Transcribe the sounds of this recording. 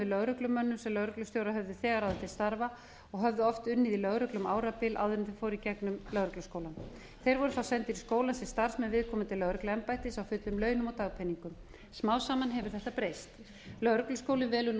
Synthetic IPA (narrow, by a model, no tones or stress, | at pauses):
ɪðlœɣɾʏklʏmœnːʏmsɛmlœɣɾʏklʏst̪jowɾaɦœvðʏθɛːɣaɾawðɛht̪ʰɪst̪aɾva | ɔɣɦœvðʏɔft̪ʏnːɪðilœɣɾʏklʏmaːwɾapɪlʔa̰wðʏɾɪnθɪ̥fɔːɾicɛknʏmlœɣɾʏklʏskoːwlan | θejɾvɔɾʏθawsɛnt̪iɾiskoːwlansɛst̪aɾ̥smɛnvɪðkʰɔːmʏt̪ʰɪlːœɣɾʏklaɛmpajht̪ɪsawfʏt̪lʏmlœːɥnʏmɔt̪aɣpʰɛniŋkʏm | smaːwsaːmanɦɛvʏɾ̥θɛht̪apɾejst̪ | lœɣɾʏklʏskoːwlɪnvɛːlʏn